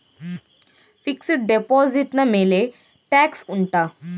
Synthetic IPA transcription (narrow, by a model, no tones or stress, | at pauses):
fiksiʈ̚ɖepɔziʈnamele | ʈɛksuɳʈa